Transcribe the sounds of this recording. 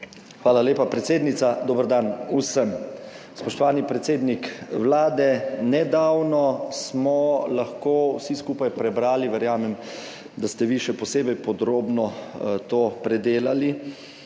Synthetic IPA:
xʋaːlaleːpapɾɛt̪seːd̪nit̪sad̪oːbəɾd̪anusəm | spɔʃt̪ɔʋaːnipɾɛt̪seːd̪nikʋlaːd̪ɛnɛd̪awnɔsmɔlaxkoːwsiskuːpajpɾɛbɾaːliʋɛɾjaːmɛm | d̪ast̪ɛʋiʃɛpɔseːbɛjpɔd̪ɾoːbnɔt̪oːpɾɛd̪eːlali

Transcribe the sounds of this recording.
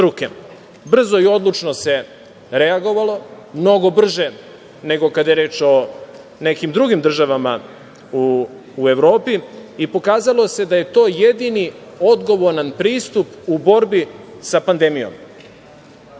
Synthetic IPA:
ɾukḛ | br̩zo̞io̞d̪lˠut͡ʃnose̞ | ɾeaɡo̞ʋalo̞ | mno̞ɡo̞br̩ʒe | ne̞ɡo̞kad̪ajeɾe̞ːt͡ʃo̞ | nekimd̪ɾuɡimd̪r̩ʒaʋama | uː | e̞ʋɾo̞ːpiipo̞kaːzalˠo̞se̞d̪aje̞t̪o̞ːje̞d̪ini | od̪ɡo̞ʋo̞ɾnanpɾiːst̪upubo̞ɾbisapand̪emijo̰m

